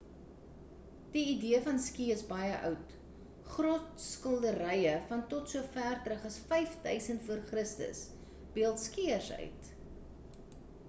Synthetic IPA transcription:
d̥iːdiəfɐnskiəsbɐjəʔœ̰wt | χrɔtskəlˠdəɾɛjəfɐntɔtsuəfæːrtrəχɐsfɛjfdœ̰ɥsəntfuərχrəstə̰s | b̥iəlˠtskiərsœ̰ɥt

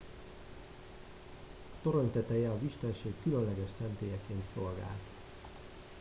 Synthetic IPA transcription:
t̪o̞ɾo̞nt̪ɛt̪ɛjɛɒziʃt̪ɛnʃeːkːylønlɛɡɛʃsɛnt̪eːjɛkeːnt̪so̞lɡa̰ːlt̪

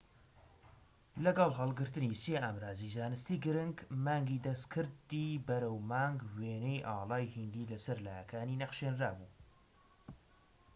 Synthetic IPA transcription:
lɐɡɐlˠɦɑlˠɡɨɾt̪ɨniseːʔaːmɾaːzizaːnɨst̪iːɡɨɾɨŋɡmɑːŋɡiːd̪ɐst̪kʰɨɾd̪iːbɐɾɐwmɑːŋɡweːnejʔɑːlˠɑːjhind̪iːlɐsɐɾlaːjɐkʰaːninɐχʃeːnraːbuːn

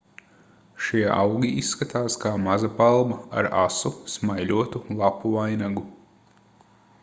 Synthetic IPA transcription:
ʃiɛʔa̰wɡʲiisːkat̪aːskaːmazapalˠbɐa̰ɾasusmajlʲuɔt̪ulˠapuvajnaɡu

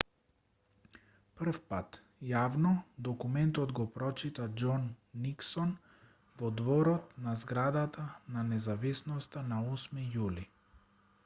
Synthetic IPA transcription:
pr̩fpat̪ | javnɔd̪ɔkumɛnt̪ɔd̪ɡɔpɾɔt͡ʃit̪ad͡ʒɔnːiksɔn | vɔd̪vɔɾɔt̪̚nazɡɾad̪at̪ananɛzavisnɔst̪anaɔsmijuli

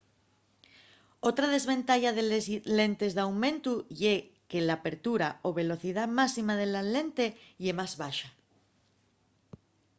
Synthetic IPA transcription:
o̞t̪ɾaðe̞zβe̞nt̪aʎaðelesle̞nt̪e̞zðawmẽ̞nt̪uʎekelaːpe̞ɾt̪uɾaoβe̞lo̞θiðamasimaðelale̞nt̪e̞ʎemazβaʃa

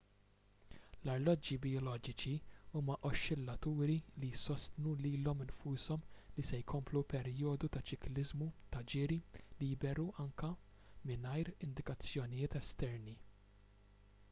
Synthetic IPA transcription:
lɐɾlɔd͡ʒibɪɔlɔːd͡ʒɪt͡ʃiuːmɐʔɔʃːɪlːɐt̪uːɾilijsɔst̪nuliːlɔmɪnfuːsɔmlisɛjkʰɔmplupɛɾjɔːd̪ut̪ɐt͡ʃɪklɪzmut̪ɐd͡ʒɪːɾilijbɛɾuʔɐŋkɐ | mɪnɐjɾɪnd̪ɪkɐt͡sːjɔnɪjɪːt̪ɛst̪ɛɾni

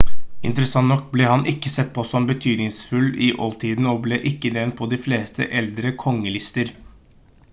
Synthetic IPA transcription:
ɪ̰nt̪əɾəsɑnt̪nɔk̚ːbleːhɑnʔɪkːəsɛt̪̚ːpʰɔsɔmbət̪ʰyːd̪nɪŋsfʉlːɪʔɔ̰lt̪ʰiːd̪n̩ɔblɛʔɪkːəd̪eːn̚pʰɔd̪ɪfleːst̪ʰə̰ʔɛld̪ɾəkʰɔŋːəlɪst̪əɾ

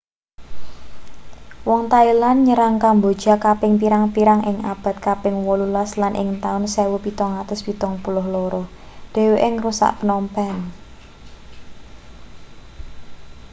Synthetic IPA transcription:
wɔŋt̪ailanɲəɾaŋkambod̥ʒ̥a̤kapɪŋpiɾaŋpiɾaŋʔɪŋab̥ä̤t̪̚kapɪŋwɔlulaslanʔɪ̰ŋt̪aʊnsɛwupit̪ɔŋat̪əspit̪ɔŋpulʊhlɔɾɔ | ɖ̪̥e̤weʔɪŋrusa̰ʔpənɔmpɛn

